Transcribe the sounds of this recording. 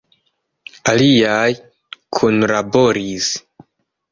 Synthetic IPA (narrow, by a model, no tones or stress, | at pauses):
aliaj | kʰunlaboɾis